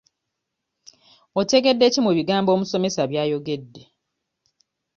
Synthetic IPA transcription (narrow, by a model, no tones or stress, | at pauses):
ote̞ɡe̞dːe̞ːcimuβiɡaːmbo̞ːmuso̞me̞saβjaːjo̞ɡe̞dːe